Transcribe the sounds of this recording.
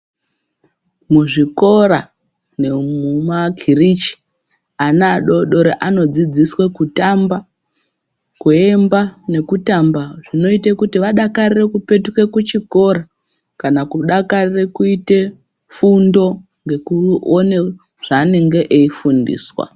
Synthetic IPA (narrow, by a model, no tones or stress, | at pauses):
muʐiko̞ɾa | nemumaɡʱirit͡ʃi̥ | anaːɗo̞ɗo̞ɾeʔano̞d͡zid͡ziswe̞kutamba | kue̞mbane̞kutambaʐ̥ino̞itekutiʋaɗakarire̞kupe̞tuke̞kut͡ʃiko̞ɾa | kanakuɗakarire̞kuite̞ | fundo̞ | ŋɡe̞kuone̞ | ʐ̥aːneŋɡe̞ʔeifundḭːswa̰